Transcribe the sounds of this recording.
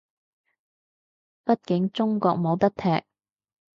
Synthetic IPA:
pɐ˥t̚kɪ˨˥ŋt͡sʊ˥ŋkɔ̰ː˧k̚mo˨˧wt̪ɐ˥k̚t̪ʰɛː˨k̚

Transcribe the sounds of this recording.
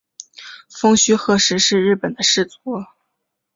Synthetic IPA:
fɤ˥ŋɕy˥xɤ˥˧ʂɻ̩˥ʂɻ̩˥˧ɻɻ̩˥˩pə˨˩nd̪ə˦ʂɻ̩˥˩t͡sɔ˧˥

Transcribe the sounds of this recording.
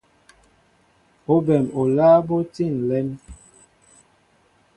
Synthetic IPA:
o˦bɛ˨mo˨laː˦bo˦ti˦˨n˨lɛ˨˦n

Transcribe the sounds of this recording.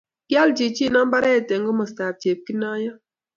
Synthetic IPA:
ɡ̥ja˦ld͡ʒi˨t͡ʃi˦˨na˦m˦ba˦ɾɛ˦˨tɛ˨ŋɡɔ˦mɔ˨sta˨p̚t͡ʃe˨p̚ki˦na˦jɔ˦

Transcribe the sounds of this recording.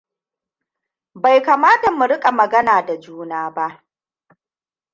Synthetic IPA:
ba˨jka˨maː˦da˨mʊ˨ɾɪ˦kʼa˨mɐ˨ɡɐ˦naː˨da˨d͡ʒuː˦naː˦ba˦ʔ

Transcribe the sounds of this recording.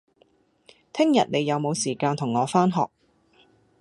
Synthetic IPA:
t̪ʰɪ˥ŋjɐ̰˨t̚ne˨˧jɐ˨˧wmo˨˧wsiː˨˩kaː˧nt̪ʰʊ˨˩ŋːɔː˨˧faː˥nɦɔ̰ː˨k̚

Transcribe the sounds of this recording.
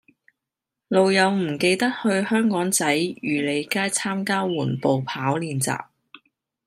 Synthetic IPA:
lo˨wjɐ˨˧wm̩˨˩ke˧jt̪ɐ˥t̚hɵ˧ɥhœː˥ŋkɔː˨˥ŋt͡sɐ˨˥jjyː˨˩le˨˧jkaː˥jt͡sʰaː˥mkaː˥wuː˨˩npo˨wpʰaː˨˥wliː˨˧nt͡sa̰ː˨p̚

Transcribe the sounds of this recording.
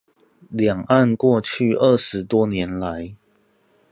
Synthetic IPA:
ljɑ˨˩ŋa˥˨nkwɔ˥˧t͡ɕʰy˥˧ə˥˩ʂɻ̩˨˥t̪wɔ˥njɛ˨˧˥nla˨˦ɪ

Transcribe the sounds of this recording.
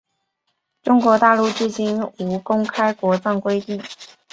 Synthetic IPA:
ʈ͡ʂʊ˥ŋkwɔ˧˥t̪a˥˧lu˥˧t͡ɕ̩˥˩t͡ɕi˥nu˧˥kʊ˥ŋkʰa˥ɪkwɔ˧˥t͡sɑ˥˩ŋkwe˥ɪt̪i˥˩ŋ

